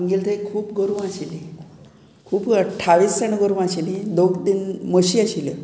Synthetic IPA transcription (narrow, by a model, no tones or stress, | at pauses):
ŋɡilt̪ekʰuːp̚ɡoɾuʋaɕili | kʰuːpəʈʰːaʋiːst͡səɳɡoɾʋaɕilid̪okd̪inməɕiaɕilḭ